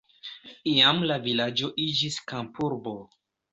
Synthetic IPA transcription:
iamlavilad͡ʒo̞ʔid͡ʒiskampuɾbo̞

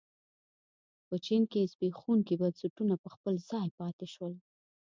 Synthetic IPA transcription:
pət͡ʃinkesbexunkebansaʈunapəxpəlzɑjpɑt̪eʃwəl

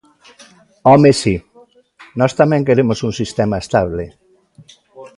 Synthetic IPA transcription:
ɔmesi | nɔst̪amɛ̃ŋkeɾemosuŋsist̪emaest̪aβle

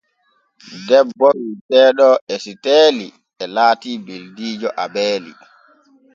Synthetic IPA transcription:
dɛbːɔɓitɛːɗɔʔɛsiteːli | ɛlaːtiːbeldiːd͡ʒɔʔabɛːlḭ

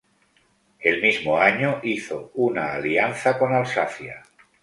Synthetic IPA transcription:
elmizmoaɲoʔiθo̰unaːlianθako̞nalsaθja̰

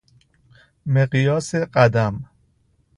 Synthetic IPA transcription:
meɢjɒːseɢæd̪æm

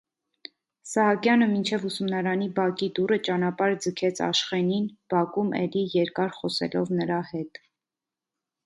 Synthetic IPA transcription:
sɑɦɑkjɑnəmint͡ʃʰɛvusumnɑɾɑnibɑkid̪uɾət͡ʃɑnɑpɑɾd͡zəkʰɛt͡sʰɑ̰ʃχɛninb̥ɑkumʔɛ̰lijɛɾkɑɾχɔsɛ̰lɔvnəɾɑhɛt̪

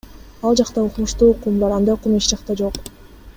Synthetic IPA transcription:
ɑlˠd͡ʒɑqt̪ɑuqnuʃt̪uːqumlˠɑɾɑnd̪ɑjqumiʃd͡ʒɑqt̪ɑd͡ʒo̞q

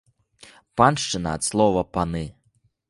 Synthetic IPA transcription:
panʂt͡ʂɨnɐ̰ːt̪slˠɔvɐpanɨ

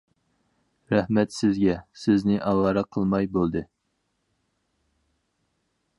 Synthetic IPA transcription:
ɾɛhmɛt̪sɪzɡʲɛsɪznɪʔɑwɑːɾɑqʰəlˠmɑjbolˠd̪ɨ

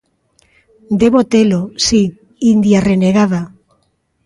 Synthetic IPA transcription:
d̪eβot̪elosi | ind̪jareneɣ̞aða

